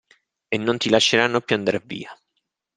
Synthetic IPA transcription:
enːont̪ilaʃːeɾanːopjuand̪aɾavḭːa

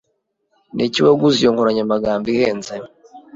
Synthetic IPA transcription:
nʔiciweɡuzijoŋkoɾaɲamaɡaːmbiheːnzajo

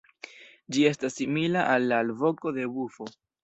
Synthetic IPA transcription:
d͡ʒie̞stasːimilaʔalːalvo̞ko̞d̪e̞bufo̞

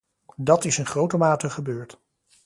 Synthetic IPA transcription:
dɑtɪsɪnχrowtəmaːtəχəbøːɹt

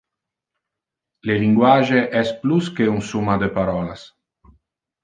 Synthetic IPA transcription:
leliŋɡwaʒeʔɛspluskeunsumad̪əpaɾɔːlas

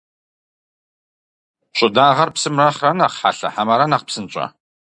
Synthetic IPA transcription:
ɕʷʼʊdaːʁɐrpsɨmrɐχrɐnɐχħa̰ɬɐ̰ħamɐɾɐnɐqpsɨnt͡ʃʼɐ̰

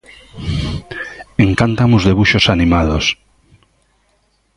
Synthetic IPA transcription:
eŋkant̪amuzðeβuʃosanimaðos

